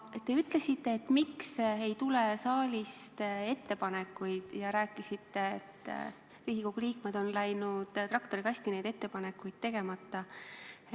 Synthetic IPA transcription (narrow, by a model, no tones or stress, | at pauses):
t̪e̞yt̪ˑle̞sit̪ːe̞ːt̪ːˑmikse̞jt̪ule̞sɑːlʲist̪e̞t̪ːe̞pɑne̞kːˑujd̪̥jɑɾæːkːˑisit̪ːe̞̰t̪ː | riːhikoɡuliːkmed̪o̞nlæjnud̪̥t̪rɑkt̪o̞ɾikɑsʲt̪inejd̪e̞t̪ːe̞pɑne̞kːujd̪̥̚t̪ːe̞ɡ̥e̞mɑt̪ˑːɑ